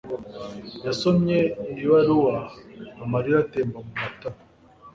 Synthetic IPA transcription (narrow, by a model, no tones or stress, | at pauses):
jasomɲeinɾiwaɾuwaːmaɾiɾateːmbamumata